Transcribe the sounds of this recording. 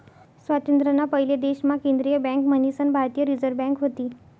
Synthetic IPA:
sʋat̪ent̪ɾənapəɦiled̪eɕmakend̪ɾijəbɛ̃ŋkmənisənbʱaɾt̪ijəɾid͡zəɾbɛ̃ŋkɦot̪iː

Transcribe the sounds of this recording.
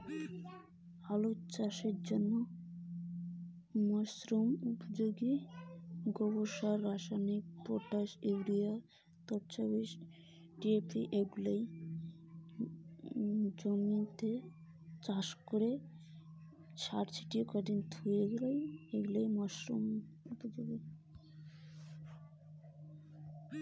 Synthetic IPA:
alot͡ɕaʃeɾd͡ʑonːo | mɔsɾumupod͡ʑoɡi | ɡɔβoʃaɾːaʃanikpoʈaʃebɾija | t̪ɔɾt͡ɕabiʃ | ɖiepiʔeɡulej | d͡ʑomit̪e | t͡ɕaʃkoɾe | ʃa̰ɾt͡ɕʰi̥ʈikɔɖint̪ʰueɡlajeɡulejmɔʃɾum | upod͡ʑoɡi

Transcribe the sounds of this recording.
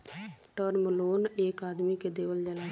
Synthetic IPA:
ʈəɾməloːneːkaːd̪miked̪eːʋəld͡ʒəlaː

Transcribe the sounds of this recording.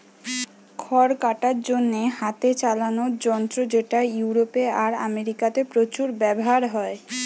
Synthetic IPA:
kʰɔɾkaʈaɾd͡ʑonːehat̪et͡ɕalanoɾd͡ʑɔnt̪ɾod͡ʑeʈajuwɾopeaɾa̰meɾikat̪epɾot͡ɕuɾbɛboɦaɾɦɔe

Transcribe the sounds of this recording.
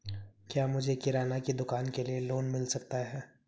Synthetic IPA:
kjaːmʊd͡ʒʱekɪɾaːnakid̪ʊkaːnkelieloːnmɪlsɐkt̪aɦɛː

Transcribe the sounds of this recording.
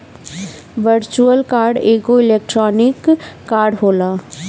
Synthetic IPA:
ʋəɾt͡ʃuəlkaːɾɖeːɡoɪleːk̚ʈɾɔːnɪkːaːɾɖɦoːlaː

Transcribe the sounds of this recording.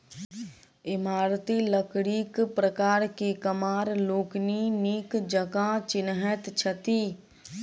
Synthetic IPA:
ɪmaːɾt̪iləkɽiːkpɾəkaːɾkekəmaːɾloːkniniːkd͡ʒəkãt͡ʃɪnɦət̪t͡ʃʰət̪iː

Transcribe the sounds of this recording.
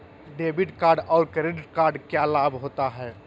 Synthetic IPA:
ɖeːbiʈkaːɾɖɔːɾkɾeɖɪʈ̚kaːɾɖkjalaːbɦoːt̪aɦɛː

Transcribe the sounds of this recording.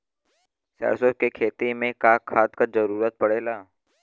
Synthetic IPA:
sa̰sokekʰeːt̪imẽkakʰaːt̪kad͡ʒəɾuːɾət̪̚pəɽeːlaː

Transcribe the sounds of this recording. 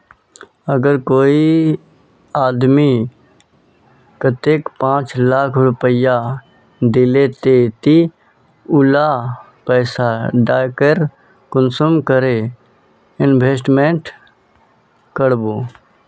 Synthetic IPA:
əɡəɾkoːi | aːd̪mi | kət̪eːkpãːt͡ʃlaːkʰɾʊpəja | d̪ɪlet̪et̪i | ʊla | pɛːsaɖaːkəɾ | kʊnsumkəɾe | ɪnbʱeːsʈmẽɳʈ | kəɽboː

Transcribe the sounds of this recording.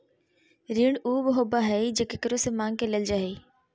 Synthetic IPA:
ɾiːɳuːbɦoːbaɦɛd͡ʒekekəɾosemãːŋɡkeleld͡ʒaːɦeː

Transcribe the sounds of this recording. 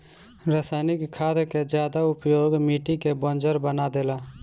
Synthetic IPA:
ɾaːsaːnɪkʰːaːd̪ked͡ʒjaːd̪aʊpjoːɡmiːʈikebɔ̃nd͡ʒəɾbənad̪eːlaː

